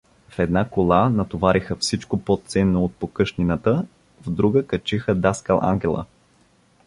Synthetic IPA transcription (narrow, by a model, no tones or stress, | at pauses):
fɛd̪nakolˠanɐt̪ovaɾixəfsit͡ʃkopot̪sɛnːoːt̪̚pokɤʃninət̪ə | vd̪ɾuɡəkət͡ʃixəd̪askalˠʔa̰ŋɡɛlˠə̰